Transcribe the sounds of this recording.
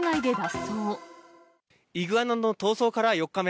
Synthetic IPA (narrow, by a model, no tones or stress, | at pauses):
naid̪e̞d̪asoː | iɡɯ̟anand̪ot̪o̞ːso̞ːkaɾajo̞kːame